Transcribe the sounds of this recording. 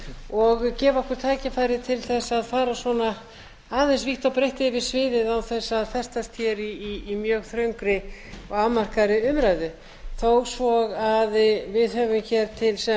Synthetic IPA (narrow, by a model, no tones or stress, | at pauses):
ɔɣcɛːvɔhkʏɾ̥t̪ʰaːcɪfajɾɪt̪ʰɪlθɛsːaðfaːɾasvɔna | aːðɛns̬viht̪awpɾejht̪ɪvɪsvɪːðɪðawθɛsːaðfɛr̥st̪ast̪ʰçɛɾiiːmjœːɣθɾœɥŋkɾɪɔɣamar̥kaɾɪʏmɾajðʏ | θowɣsvɔɣaðvɪðœvʏmçɛɾt̪ʰɪlsɛ